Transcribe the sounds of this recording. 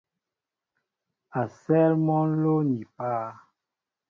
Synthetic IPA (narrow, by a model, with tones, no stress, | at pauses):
a˨sɛ˦lmɔ˦nlo˦ni˨paː˦˨˦